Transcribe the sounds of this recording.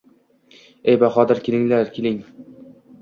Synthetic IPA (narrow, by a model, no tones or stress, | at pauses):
ejbaχɒd̪ɪɾkʲelɪŋlaɾkʲʰelɪŋ